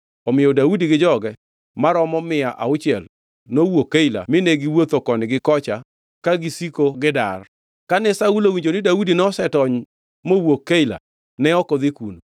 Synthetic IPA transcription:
ɔmɪjɔdaudiɡɪd͡ʒɔɡɛ | maɾɔmɔmɪaʔa̰ʊt͡ʃɪɛl | nowokːeila̰mɪneɡɪwot̪okɔnɪɡɪkɔt͡ʃa | kaɡisikoɡɪdar | kanɛsaulowiɲd͡ʒonɪdaudinɔsɛtɔɲ | mowokːeila̰ | nɛɔkɔd̪ɪkuno

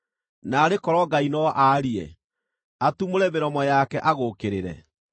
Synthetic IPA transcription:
naːɾekɔɾɔɡainɔʔaɾiɛ̰ | atumoɾɛmeɾɔmɔjakɛʔaɣokeɾeɾɛ̰

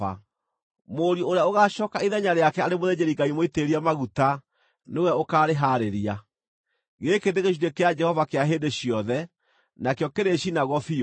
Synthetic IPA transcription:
a̰ | moɾjooɾeaoɣaʃɔːkaiðɛɲaɾeakɛaɾemoðeɲeɾiŋɡaimoiteɾiamaɣuta | newɛokaːɾeɦaɾeɾia | ɣekeðeɣeʃ̬udekead͡ʒɛhɔvakeaɦeːndeɕiɔðɛ | nakjɔkeɾeɕinaɣɔfio

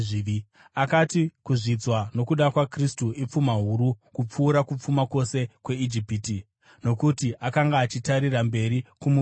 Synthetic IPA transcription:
i | akatikuʐid͡zwano̞kuɗakwakristuip͡fumaɦuɾukup͡fuːɾakup͡fumakwo̞se̞kwe̞id͡ʒipiːti | no̞kutiʔakaŋɡaːt͡ʃitaɾirambe̞ɾikumu

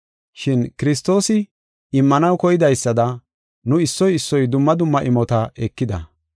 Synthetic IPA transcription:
ʃɪnkɪɾɪs̬t̪o̞ːsɪ | ɪmːɐnɐwkɔjɪd̪ɐjsːɐd̪ɐ | nʊɪsːɔjɪsːɔjd̪ʊmːɐd̪ʊmːɐʔɪmɔt̪ɐɛkːɪd̪ɐ

